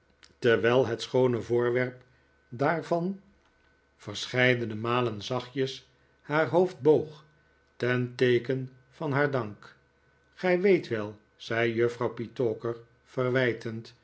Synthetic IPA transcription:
təɹʋɛjlˠɦɛtsχownəvʊːɹʋɛɹp | daːɹvɑn | v̥əɹsχɛjdənəmaːlənzɑχjəs | haːɹɦowfd̚bowχ | tɛntejkən | v̥ɑnɦaːɹdɑŋk | χɛjʋejtʋɛlˠ | z̥ɛjjøfrɑwpitoːkəɹ | fərʋɛjtʰənt

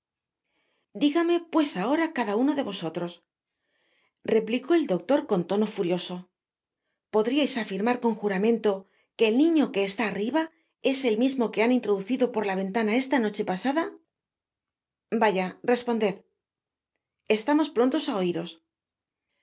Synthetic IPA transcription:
d̪iɣame̞pwe̞sao̞ɾakaðauno̞ðe̞βo̞so̞t̪ɾo̞s | re̞pliko̞e̞ld̪o̞k̚t̪o̞ɾko̞nt̪o̞no̞fuɾjo̞so̞ | po̞ðɾiajsafiɾmaɾko̞ŋxuɾamẽ̞nt̪o̞ | ke̞ːlnĩɲo̞ke̞ːst̪aːriβa | e̞se̞lmizmo̞ke̞anint̪ɾo̞ðuθiðo̞po̞ɾlaβ̞e̞nt̪anae̞st̪ano̞t͡ʃe̞pasaða | baʝare̞spo̞nd̪e̞ð | e̞st̪amo̞spɾo̞nt̪o̞sao̞iɾo̞s

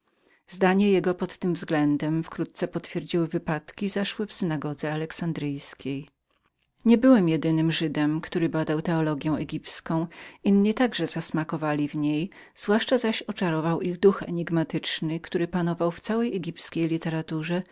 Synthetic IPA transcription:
zd̪aɲɛjɛɡɔpɔt̪ːɘmvzɡlɛnd̪ɛmfkɾut̪̚t̪sɛpɔt̪fʲjeɾd͡ʑiwɘvɘpat̪kʲizaʂwɘfsɘnaɡɔd̪zɛalɛksand̪ɾɘjskʲej | ɲɛbɘwɛmjɛd̪ɘnɘmʐɘd̪ɛmkt̪uɾɘbad̪awt̪ɛɔlɔɡʲjɛ̃w̃ɛɡʲipskɔ̃w̃inːit̪aɡʐɛzasmakɔvalʲivɲej | z̥vwaʂt͡ʂazaɕɔt͡ʂaɾɔvawʔiɣd̪uxɛ̰ɲiɡmat̪ɘt͡ʂnɘkt̪uɾɘpanɔvawft̪sawɛjɛɡʲipskʲejlʲit̪ɛɾat̪uʐɛ

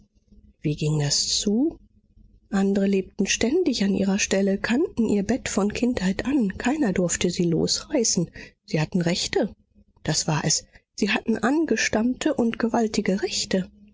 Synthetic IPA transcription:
v̥iːɡɪŋdast͡suː | ʔandəʁəleːp̚tn̩ʃtɛndɪçanʔḭːʁɐʃtɛləkʰantn̩ʔiːɐbɛtfɔnkʰɪnthaɪtʔankʰaɪnɐdʊɐftəziːlo̰ːsʁ̥aɪsn̩z̥iːhatn̩ʁɛçtə | d̥asv̥aːɐʔɛsz̥iːhatn̩ʔanɡəʃtamtʰəʔʊntɡ̥əvaltʰɪɡəʁɛçtə

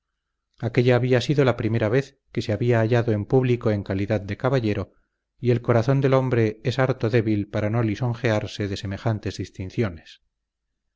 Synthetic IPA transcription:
ake̞ʎaːβiasiðo̞lapɾime̞ɾaβe̞θ | ke̞seaβiaːʎaðo̞e̞mpuβliko̞eŋkaliðaðd̪e̞kaβaʎe̞ɾo̞ | ie̞lko̞ɾaθo̞nd̪e̞lo̞mbɾe̞esaɾt̪oðe̞βilpaɾano̞liso̞ŋxe̞aɾse̞ðe̞se̞me̞xant̪e̞zðist̪in̟θjo̞nes

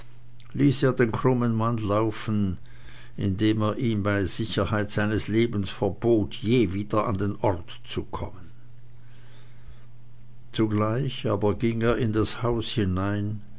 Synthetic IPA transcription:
liːseːɐdeːnkʁ̥ʊmənmanlaʊfn̩ | ʔɪ̰ndeːmeːɐʔiːmbaɪz̥ɪçɐhaɪtz̥aɪnəsleːbn̩sfɛɐboːtʰjeːviːdɐa̰ndeːnʔɔʁt | t͡sukʰɔ̰mən | t͡suɡlaɪçaːbɐɡɪŋeːɐɪndashaʊshɪnaɪn

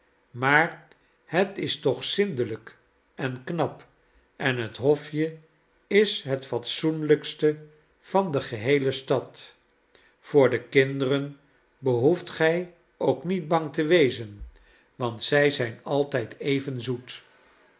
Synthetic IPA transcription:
maːɹ | hətɪstɔχsɪndələk | ʔɛnknɑp | ʔɛnɦətɦɔfjə | ɪsɦətfɑtsunləkstə | v̥ɑndəχəɦejləstɑt | fʊːɹdəkɪndərən | bəɦuftχɛj | owknid̚bɑŋtəʋejzən | ʋɑntsɛjzɛjnɑlˠtɛjtejvənzut

